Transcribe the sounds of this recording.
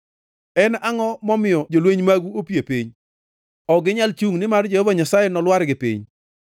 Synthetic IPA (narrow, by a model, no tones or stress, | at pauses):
ɛnaŋɔmɔmɪjɔd͡ʒolweɲmaɡuopjepiɲ | ɔɡɪɲalt͡ʃuŋnɪmard͡ʒehɔvaɲasajɛnɔlwaɾɡɪpḭɲ